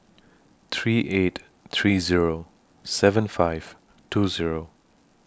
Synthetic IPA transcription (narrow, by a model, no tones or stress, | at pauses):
θʰɹiːʔet | θʰɹiːziɹo | sɛvə̃nfaɪv̥ | tʰuziɹo